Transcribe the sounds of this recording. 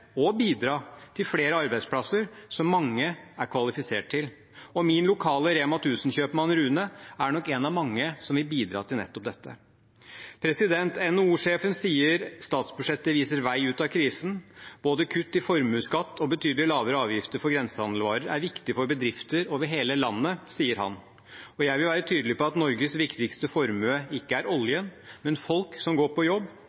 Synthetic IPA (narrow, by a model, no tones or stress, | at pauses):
ɔbiːd̪ɾɑːt̪ʰɪlfleːɾəɑɾbæɪspʰlɑsəɾsɔmːɑŋːəæɾkʰʋɑlɪfɪsḛːʈ̚ʈʰɪl | ɔmɪnlʊkʰɑːləɾeːmɑt̪ʰʉːsnɕøːpmɑnɾʉːnəæɳɔkːɛnɑʋmɑŋːəsɔmʋɪlbiːd̪ɾɑ̰ːt̪ʰɪlnɛ̰t̪ːɔp̚d̪ɛt̪ːə̰ | pʰɾɛsɪd̪ɛnt̪ɛnːouːʂeːfənsiːəɾst̪ɑːt̪sbʉʂɛt̪ːəʋiːsəɾʋæɪʉːt̪ɑkʰɾiːsənb̥oːd̪əkʰʉt̪ːɪfɔɾmʉːskɑt̪ːɔbət̪ʰyːd̪əlɪlɑːʋəɾəɑːʋjɪft̪əɾfɔɾɡɾɛnsəhɑnd̪l̩ʋɑːɾəɾæ̰ɾʋɪkt̪ɪfɔɾbəd̪ɾɪft̪əɾoːʋəɾɦeːləlɑnːəsiːəɾɦɑ̰n | ɔjæɪʋɪlʋæːɾət̪ʰyːd̪əlɪpɔɑt̪nɔɾɡəsʋɪkt̪ɪkst̪əfɔɾmøːɪkːəæɾɔljənmɛnfɔlksɔmɡoːɾpʰɔjɔbː